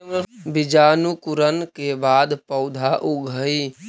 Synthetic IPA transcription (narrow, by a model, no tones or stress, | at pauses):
bɪd͡ʒaːnukʊɾənkebaːd̪pəʊd̪ʱaʔʊɡʱəi